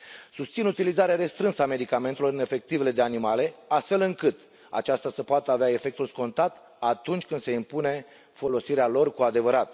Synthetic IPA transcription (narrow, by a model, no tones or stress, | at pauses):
sust̪sinut̪ilizaɾeaɾe̞st̪ɾɨnsəame̞d̪ikame̞nt̪elo̞ɾɨne̞fe̞k̚t̪ive̞le̞d̪e̞animale̞ast̪fe̞lɨŋkɨt̪ | a̰t͡ʃast̪asəpoat̪əaveae̞fe̞k̚t̪ulsko̞nt̪at̪ | at̪unt͡ʃʲkɨnd̪̥se̞impune̞ | fo̞lo̞siɾealo̞rkuad̪e̞vəɾat̪